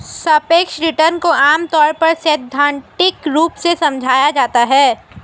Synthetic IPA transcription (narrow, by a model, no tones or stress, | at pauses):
sɐpeːkʃɾɪʈəɾnkoaːmt̪ɔːɾpɐɾsɛːd̪ʱːãːɳʈɪkɾuːpsesɐ̃md͡ʒʱaːjad͡ʒaːt̪aɦɛː